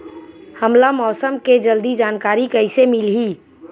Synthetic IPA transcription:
həmlamɔːsəmked͡ʒəld̪id͡ʒaːnkaːɾikəɪsemɪlɦi

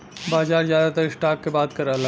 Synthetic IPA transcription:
baːd͡ʒaːɾzjad̪at̪əɾɪsʈaːkkebaːt̪kəɾəɦl

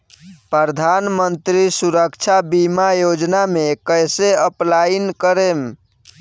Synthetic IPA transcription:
pɾəɾd̪ʱanmənt̪ɾisuɾəkt͡ʃʰabimajod͡ʒnamekəjseəplainkəɾem

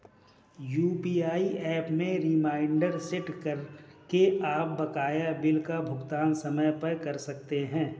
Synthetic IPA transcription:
juːpiːaːiʔɛːpmẽɾɪmaːɪɳɖəɾsɪʈkəɾkeaːp̚bɐkaːjabɪlkabʱʊɡt̪aːnsɐməjpəɾkɐɾsɐk̚t̪eɦɛ̃ː

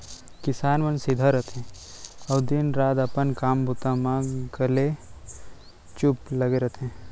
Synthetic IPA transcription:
kɪsaːnʋənsɪd̪ʱaɾɐt̪ẽ | ɐbd̪inɾaːd̪ɐpənkaːmbut̪amãɡəle | t͡ʃʊplɐɡeɾɐt̪ẽ

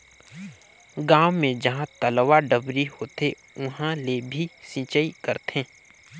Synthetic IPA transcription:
ɡaːwmẽd͡ʒɐɦãt̪əlʋaɖəbɾihoːt̪e | ʊɦãlebʱisĩːt͡ʃəikəɾt̪ẽː

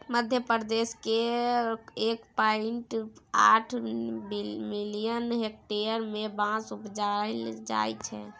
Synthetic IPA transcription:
məd̪ʱjəpɾd̪eske | ekpaiɳʈaʈʰ | milijənɦek̚ʈeəɾmẽbãsupd͡ʒald͡ʒa̰jt͡ʃʰɛ̰

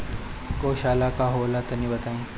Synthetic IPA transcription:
koːɕaːlakaɦolat̪ɐnĩbɐt̪aːĩː

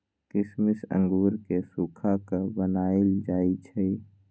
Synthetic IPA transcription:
kɪsmɪsə̰̃ŋɡuːɾkesuːkʰakabənaːɪld͡ʒaːit͡ʃʰɛi

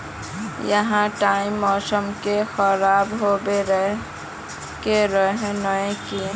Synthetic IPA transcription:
jəɦãʈaimːɔːsəmkexəɾaːbɦoːbeɾə | keɾəɦẽnəẽkiẽ

